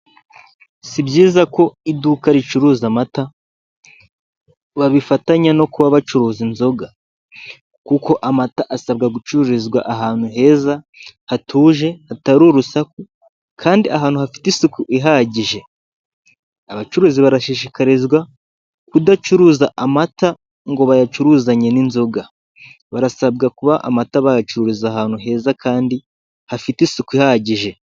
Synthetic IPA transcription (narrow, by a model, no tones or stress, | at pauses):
sibɟiːzako̞iduːkaɾit͡ʃuɾuːzamata | βaβifataɲano̞kuβaβat͡ʃuɾuːzinzo̞ɡa | kuko̞ʔamataʔasab̚ɡaɡut͡ʃuuɾizɡwa̰ʔaɦaːn̥huɦe̞ːza | hatʰuːʒe̞hataɾuɾusaku | kʰaːndiaɦaːn̥huhafi̥tisukuʔiɦaːɟiʒe̞ | aβat͡ʃuɾuːziβaɾaʃiʃ̬ikaɾizɡwa | kudat͡ʃuɾuːzaʔamata | ŋɡo̞βajat͡ʃuɾuːzaɲe̞ninzoɡa | βaɾasabɡakuβaʔa̰mataβajat͡ʃuɾuɾuzaɦaːn̥huɦe̞ːzakaːndi | hafitisukuihaːɟiʒe̞